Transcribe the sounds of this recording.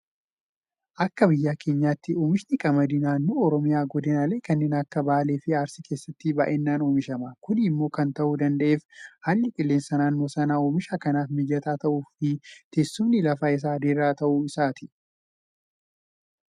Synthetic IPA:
ʔɐkːɐbɪjːaːkʰe̞ːɲːaːt̪ːɪoːmɪʃnɪkʼɐmɐd̪ɪnaːnːoːɔɾɔmɪjaːɡɔd̪ɪnɐle̞ːkɐnːeːnɐkːɐbaːleːfɪaːɾsɪkʰe̞ːsːɐt̪ːɪbɐ̰ʔeːnːaːnoːmɪʃɐmɐkʊnɪmːo̞ːkɐnt̪ɐʔuːd̪ɐnd̪ɐʔeːfhaːlːɪkʼɪlːe̞ːnsɐnaːnːo̞ːsɐnaːoːmɪʃaːkɐnaːfmɪd͡ʒɐt̪aːt̪ɐʔuːfɪt̪eːsːʊmnɪlɐfaːɪs̬aːd̪eɾːaːt̪ɐʔuːɪsaːt̪ɪ̥

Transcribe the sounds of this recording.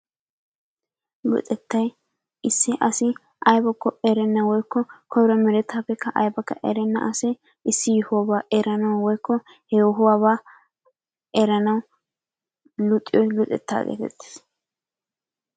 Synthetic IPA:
lʊ̰t̪ʼɛt̪ːɐj | ɪsːɪʔɐsɪ | ʔɐjbɔkːɔɛɾɛnːɐwɔjkːɔkʰɔɾɔmɛɾɛt̪ːaːpːɛkːɐʔɐjbɐkːɐ̰ʔɛ̰ɾɛnːɐ̰ʔɐsɛ | ɪsːɪjʊhʊwaːbaːʔɛɾɐnɐwwɔjkːɔ | hɛjɔɦʊwaːbaː | ɛɾɐnɐw | lʊt̪ʼːɪjɔjlʊt̪ʼɛ̰t̪ːa̰ːɡḛːt̪ɛ̰t̪ːe̥ːs

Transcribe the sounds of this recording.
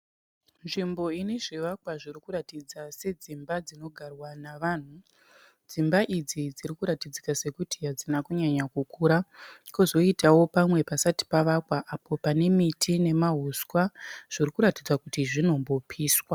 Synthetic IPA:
nʐimbo̞ineʐiʋakwaʐirikuɾatid͡zase̞d͡zimbad͡zino̞ɡʱarwanaʋaːn̤u | d͡zimbaʔid͡zid͡ziɾikuɾatid͡zikase̞kutiɦad͡zinakuɲaɲakukuːɾakuzo̞itawo̞pamwe̞pasati̥paʋakwaʔapo̞pane̞mitʰine̞maɦuskwaʐ̥irikuɾatid͡zwakutiʐino̞mbo̞pʰiːswa

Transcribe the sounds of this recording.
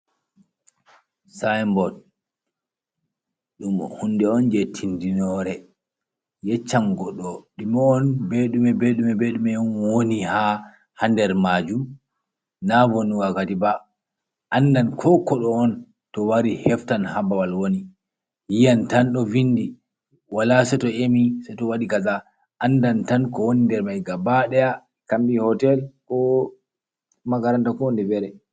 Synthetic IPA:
sajmbɔd | ɗumɔ̰hunːdɛɔnd͡ʒɛtʰindinɔɾɛ | jɛt͡ʃːamɡɔɗɔɗimɔːnbeɗumɛbeɗumɛbeɗumɛɔnwoniha | handɛɾmad͡ʒum | navonuɡaɡadiba | ʔandankʰɔkɔɗɔːn | tɔwaɾihɛftanhabawalwoni | jijantanɗɔvinːdi | walasɛtɔemisɛtɔwaɗikaza | ʔandantankɔwonindɛɾmajɡabaɗɛja | kambihɔtɛlkɔ | maɡaɾantakɔwndɛbɛɾɛ

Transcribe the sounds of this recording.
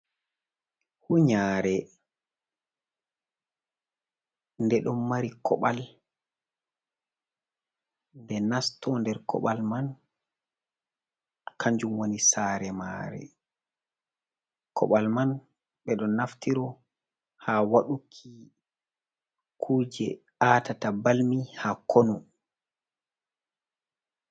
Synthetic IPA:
huɲaːɾɛ | ndɛɗɔmmaɾikʰɔ̰ɓa̰l | ndɛnastɔndɛɾkɔ̰ɓalman | kʰaɲd͡ʒumwonisaːɾɛma̰ɾɛ̰ | kʰɔ̰ɓalman | ɓɛɗɔnaftiɾɔ | hawaɗukʰi | kʰuːd͡ʒɛ̰ | aːtatabalmihakʰonu

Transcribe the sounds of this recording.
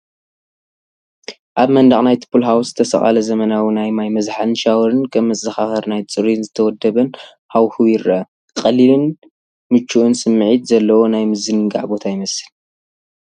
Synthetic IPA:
ʔaβmɐnd̪aχʼnajt̪ʰɨ̥pʰːulɦawzɨt̪ʰɐsɐ̰χʼa̰lɐzɐmɐnawinajmajmɐzħɨnʃawɾɨnkʰɐmmːɨt͡sʼːɐxaxɐɾnajt͡sʼɨɾinzɨt̪ʰɐwɔd̪ɐβɨn | hawxɨwiɾɐ | qʼɐlilɨn | mɨt͡ʃʰːuʔɨnsɨmːʕit̪zɐlːɐwo̞najmɨzɨnɨɡa̰ʕbo̞t̪ʰajɪmɐsɨl

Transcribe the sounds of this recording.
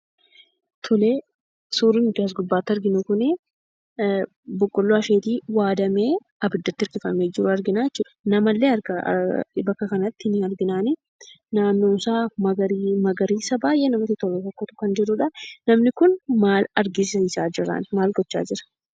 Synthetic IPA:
t̪ʰʊleː | suːɾɪnɡɪɐs̬ɡʊbːaːt̪ːɐɾɡɪnʊkʊnɛ | bɔkʼːɔlːoɐfeːt̪iːwaːd̪ɐmeː | ɐbɪd̪ːɐt̪ːɪɐɾɡɪfɐmeːd͡ʒɪɾʊɐɾɡɪnaːjɛt͡ʃːuːᶑ̪ɐ̥nɐmɐlːeːɐɾɡɐbɐkːɐkɐnɐt̪ːɪɪnɪɐɾɡɪnaːnɪ | naːnːoːnsaːɐɐɾimɐɡɐɾiːsɐbaːjʔeːnɐmɐt̪ːɪt̪ɔleːkɐkːɐt̪ʊ̥kɐnd͡ʒɪɾʊᶑɐnɐmnɪkʊnmaːlɐɾɡɪsɐɪsaːd͡ʒɪɾɐ̰ːnmaːlɡɔt͡ʃːa̰ːd͡ʒɪɾɐ̥

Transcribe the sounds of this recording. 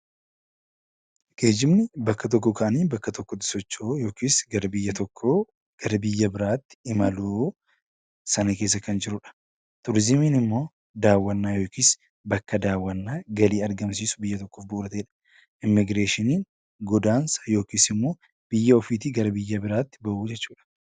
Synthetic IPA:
ɡ̥e̞ːd͡ʒɪmnɪbɐkːɐt̪̬ɔk̬ːɔkʰɐʔɐniːbɐkːɐt̪ɔkːɔd̪ɪ̥sɔt͡ʃːoːjo̞ːkiːsɡɐɾɐbɪjːɐt̪ɔkʰːoː | ɡ̥ɐɾɐbɪjːɐbɪɾaːt̪ːɪ̥ɪmɐluː | sɐnɐke̞ːs̬ːɐkɐnd͡ʒɪɾʊᶑɐ̥ | t̪ʊɾɪzɪmiːnɪmːo̞ː | d̪aːwːɐnːaːjo̞ːkiːs | bɐkːɐd̪aːwːɐnːaːɡɐliːɐɾɡɐmsiːsʊ̥bɪjːɐt̪ɔkːoːfbʊːɾɐt̪eːᶑɐ̥ | ʔɪmːɪɡɾeːʃɪniːn | ɡɔd̪aːnsɐ̥jo̞ːkiːsɪmːo̞ː | b̥ɪjːɐɔfiːt̪iɡɐɾɐbɪjːɐbɪɾaːt̪ːɪ̥bɐʔuːd͡ʒɛt͡ʃːuːᶑɐ̥

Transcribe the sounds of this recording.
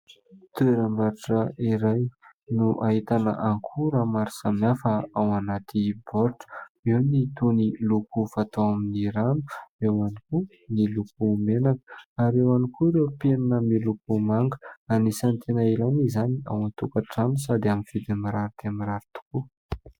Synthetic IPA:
t̪ueɾambaɾaʈ͡ʂəiɾaj | nuʔait̪anə̰ʔaŋkʰuɾamaɾi̥samafəawanat̪ʰibɔɾʈ͡ʂə̥iwnit̪onilukufat̪oaminiɾanu̥ewaniku | nilupumenakə̥aɾewanikuɾepenanəmilup̚umaŋɡəanisant̪ʰenailanizania̰want̪ukaʈ͡ʂanus̬ad̪iamiv̥id̪amiɾaɾit̪eamiɾaɾit̪u̥ku

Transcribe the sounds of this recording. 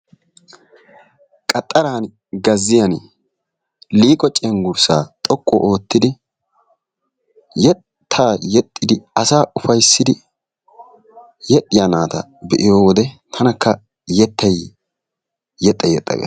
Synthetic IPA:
kʼɐt̪ʼːɐɾaːn | ɡɐzːɪjɐn | liːkʼɔt͡ʃʼɛŋɡʊɾsaːt̪ʼɔkʼːɔ̰ʔoːt̪ːɪd̪ɪ | jɛtt̪ʰːaːjɛt̪ʼːɪd̪ɪɐsaːʊfɐjsːɪd̪ɪ | jɛᶑʼɪjanaːt̪ɐ̰bɛʔɪjoːwɔd̪ɛt̪ʰɐnɐkːɐ | jɛt̪ːɐj | jɛt̪ʼːɐjɛt̪ʼːɐ̰ɡḛ

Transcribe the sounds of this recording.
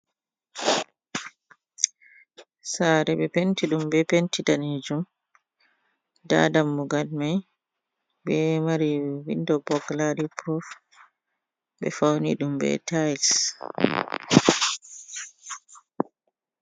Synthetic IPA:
saɾɛɓɛpentiɗumbɛpentidaned͡ʒum | da̰ːdamːuɡalmaj | bɛmaɾiwindɔbɔɡlaɾipʰɾɔf | ɓɛ̰fawnḭɗumbɛ̰tʰajls

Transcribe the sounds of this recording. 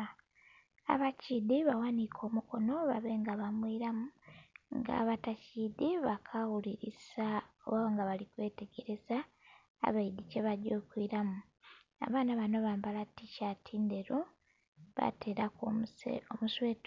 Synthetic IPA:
a̰βacidiβawanikʰo̞ːmuko̞no̞βa̰βe̞ŋɡaβamwiːɾamuŋɡa̰ːβatacidiβakʰawuliɾisaoβaaŋɡaβalikwe̞ːte̞ɡe̞ɾe̞za̰ː | βaid̪ice̞βaɾɟo̞ːkwiɾamu | a̰βaːnaβanoβaːmbalaticatʰiːnde̞ɾo | βa̰tʰe̞ːɾak | omusweːt

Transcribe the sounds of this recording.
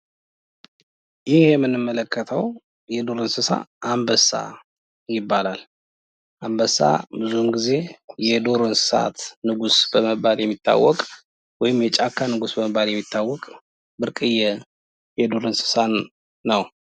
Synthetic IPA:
jɪhhjɛmːɨnːɨmːələkːət̪ʰəw | jɛd̪oɾɨnsɨsa̰ʔambəsa̰ | jɪbːalal | ʔambəsa̰bɨzumɡize̞jɛd̪oɾɨnsɨ̥sa̰t̪nɨɡusbəməbaljɛmːit̪ʰːa̰wːɔkʼ | wɔjɪmjɛt͡ʃʼakʰːanɨɡusbəməbːaljɛmːit̪ʰːawːɔkʼ | bɨɾkʼɨjːɛ | jɛd̪oɾɨnsɨ̥sanː | əw

